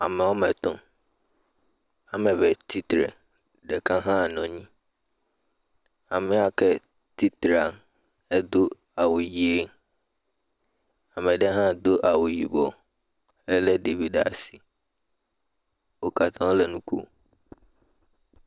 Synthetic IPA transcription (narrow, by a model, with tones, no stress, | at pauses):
a˨mɛ̃˨wɔ˦mɛ̃˨t̪ɔ̃˦ | a˨mɛ̃˨vɛ˨t̪ʰi˦t̪ɾɛ̰˨ | ɖɛ˨kã˦ɦã˦˨nɔ̃˨ɲĩ˦ | a˨mɛ˨˦a˨kɛ˦ | t̪i˦t̪ɾa˨ | ɛ˦d̪o˦ | a˨wo˨ji˨e˦ | a˨mɛ̃˨ɖɛ˦ɦã˦d̪o˦ʔa˨wu˨jḭ˨bɔ˨ | ɛ˦lɛ˦de˨vi˦ɖa̰˨si˨ | wo˨ka˨t̪ʰã˦wo˦lɛ˨nũ˦kṵ˦